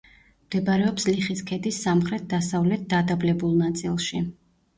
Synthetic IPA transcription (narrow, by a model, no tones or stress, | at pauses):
md̪ɛbaɾɛɔpsliχiskʰɛd̪isːamχɾɛt̪̚d̪asavlɛt̪̚d̪ad̪ablɛbulˠnat̪sʼilˠʃi